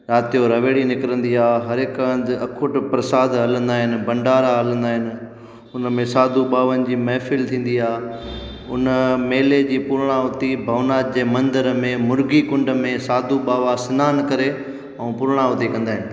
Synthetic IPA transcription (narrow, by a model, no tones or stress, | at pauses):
ɾaːt̪ijoɾɐʋeːɽinɪkɾə̃nd̪iaːɦɐɾɪkənd̪ɐkʰʊʈpɾɐsaːd̪ɦɐlə̃nd̪aːɦɪnɪ̆bɐ̃ɳɖaːɾaɦɐlə̃nd̪aːɦɪnɪ̆ | ʊnəmẽsaːd̪ʱuɓaːʋənɪ̆d͡ʑiːmɛːfɪlt̪ʰĩːn̆d̪iaː | ʊ̰nəmeːled͡ʑiːpʊɾɽ̃aʊt̪ibʱɐʋnaːd̪d͡ʑeːmɐ̃nd̪əɾəmẽmʊɾɡikʊ̃ɳɖəmẽsaːd̪ʱuɓaːʋasɪnaːnkɐɾe | ɛ̃ːpʊɾɽ̃aʊt̪ikɐ̃nd̪aːɦɪnɪ̆